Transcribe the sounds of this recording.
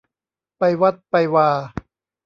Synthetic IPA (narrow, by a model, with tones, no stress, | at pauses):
pa˧jwa˦˥t̪̚pa˧jwaː˧